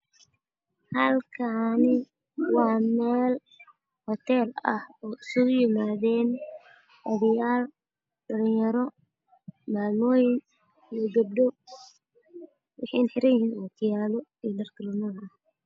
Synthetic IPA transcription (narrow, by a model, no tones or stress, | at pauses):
hɐlkʰanɪ | wɑːmɛːl | hɔt̪ʰɛːlɐ̰hɔːʊsʊɣʊjɪmaːðɛːn | ʔɐðɪjaːl | ɖɐlɪjɐɾɔ | maːmɔːjɪŋ | lɔɡɐb̚d̪ɔ | wɑħɑjnħɪɾɐjɪhiːnwɑk̪ʰɪjaːlɔidɐrk̪ʰɪlɐnuːnɐh